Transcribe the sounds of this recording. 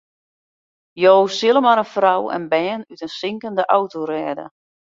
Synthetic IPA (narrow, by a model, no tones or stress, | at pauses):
joːsɪlˠəmaɾənfrawɛ̰nbɛːnytənsɪŋkəndəʔawtoɾɛːdə̰